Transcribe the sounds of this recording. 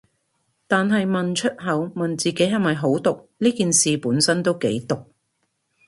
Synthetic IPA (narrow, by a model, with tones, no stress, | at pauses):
t̪aː˨nɦɐ˨jmɐ˨nt͡ʃʰɵ˥t̚ɦɐ˨˧wmɐ˨nt͡siː˨ke˨˥jɦɐ˨˩mɐ˨jɦo˨˥wt̪ʊ˨k̚liː˥kiː˨nsiː˨puː˨˥nsɐ˥nt̪o˥wke˨˥jt̪ʊ˨k̚